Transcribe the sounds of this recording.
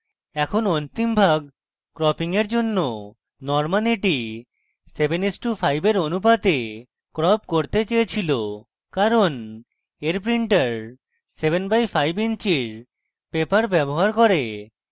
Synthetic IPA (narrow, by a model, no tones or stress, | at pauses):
ɛkʰonont̪imbʱaɡ | kɾɔpiŋeɾd͡ʑonːo | nɔɾmaliʈi | sebenisʈufʰajbeɾonupad̪e | kɾɔpkoɾt̪et͡ɕejet͡ɕʰilo | kaɾon | eɾpɾiɳʈaɾ | seβenbajfʰajbint͡ɕiɾ | pepaɾbɛboɦaɾkoɾe